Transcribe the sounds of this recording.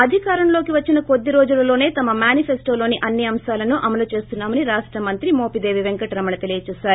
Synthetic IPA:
ɐd̪ʱikaːɾɐnlo̞ːkiʋɐt͡ʃːinɐko̞d̪ːiɾo̞ːd͡ʒulɐlo̞ːne̞ːt̪ɐmɐmjaːnipʰesʈo̞ːlo̞ːniʔɐnːiɐmʃaːlɐnuʔɐmɐlut͡ʃe̞ːst̪unːaːmɐniɾaːʂʈɾɐmɐnt̪ɾimoːpid̪e̞ːʋiʋeŋkɐʈɾɐmɐɳɐt̪elijɐt͡ʃuːsaːɾu

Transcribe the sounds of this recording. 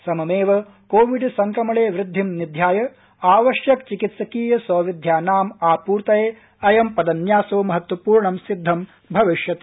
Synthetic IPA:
sɐmɐmeːʋɐ | koːʋiɖsɐŋkɾɐmɐɭeːʋɾɪd̪ʱːimnid̪ʱjaːjɐ | aːʋɐʃjɐkt͡ʃikit̪sɐkiːjɐsɐːʋid̪ʱjaːnaːmaːpuːɾt̪ɐjeː | ɐjɐmpɐd̪ɐnjaːsoːmɐɦɐt̪wɐpuːɾɳɐmsid̪ʱːɐm | bʱɐʋiʃjɐt̪

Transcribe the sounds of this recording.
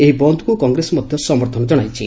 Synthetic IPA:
eɦibɔnd̪ukukɔŋɡɾesɔmɔd̪ʱjɔsɔmɔɾt̪ʰɔnɔd͡ʒɔɽ̃ajt͡ʃʰḭ

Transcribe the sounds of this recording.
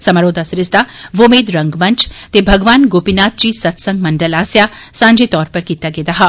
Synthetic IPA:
sɐmaɾoːd̪ʱasɾɪsd̪aʋomeːd̪ɾɐ̃ŋɡmɐ̃nt͡ʃt̪ebʱɐɡʋaːnɡoːpinaːt̪̚t͡ʃisɐt̪sɐ̃ŋɡmɐɳɖəlaːsjaː | sãːɲd͡ʒet̪ɔːɾpɐɾkiːt̪aɡeːd̪aɦaː

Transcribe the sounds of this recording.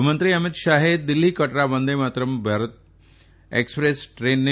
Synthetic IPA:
mənt̪ɾiɐmɪt̪ʃaːɦed̪ilːikɐʈɾabənd̪emat̪ɾəmbʱaːɾət̪̚ | ekspɾesʈɾeːnːe

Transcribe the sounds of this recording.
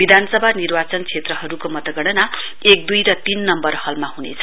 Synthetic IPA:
b̥id̪ʱanʌsʌbʱanirbat͡sʌnt͡sʰet̪rʌɦʌɾukomʌt̪ʌɡʌɽ̃ʌna | ek̚d̪ujrʌt̪inːʌmbʌrhʌlmahunḛt͡sʰʌ̥

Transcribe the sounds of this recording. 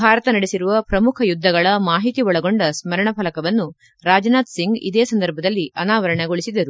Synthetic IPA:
bʱaːɾɐt̪ɐnɐɽesiɾuʋɐpɾɐmukʰɐjud̪ʱːɐɡɐɭɐmaːɦit̪iʋɔɭɐɡo̞ɳɖɐsmɐɾɐɳɐpʰɐlɐkɐʋɐnːu | ɾaːd͡ʒnaːt̪siŋɡḭd̪eːsɐnd̪ɐɾbʱɐd̪ɐlːiʔɐnaːʋɐɾɐɳeɡoɭisid̪ɐɾu

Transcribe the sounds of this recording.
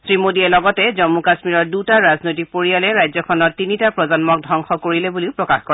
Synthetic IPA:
sɹimodiɛlɔɡɔtɛzɔmːukasmiɹɔɹdutaɹaznojtipoɹijalɛɹajzɔkʰɔnɔɹtinitapɹɔzɔnmɔk̚dʱɔŋxɔkoɹilɛbuliʊpɹɔkaxkɔɹɛ

